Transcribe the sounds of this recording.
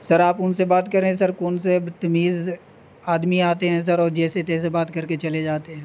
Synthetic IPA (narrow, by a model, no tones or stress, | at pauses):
sɐɾaːpʊnsebaːt̪kɐɾẽs̬ɐɾkɔːnset̪ɐmiːz | aːd̪miaːt̪eɦɛ̃ːs̬ɐɾɔːɾd͡ʒɛːset̪ɛːs̬ebaːt̪kɐɾket͡ʃɐled͡ʒaːt̪eɦɛ̃ː